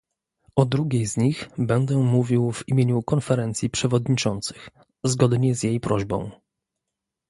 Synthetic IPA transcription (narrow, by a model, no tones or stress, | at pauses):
ɔd̪ɾuɡʲejzɲixbɛnd̪ɛmuvʲiwvimʲjeɲukɔnfɛɾɛnt̪sʲjipʂɛvɔd̪ɲit͡ʂɔnt̪sɘ̥x | zɡɔd̪ɲɛzjejpɾɔʑbɔ̰̃w̃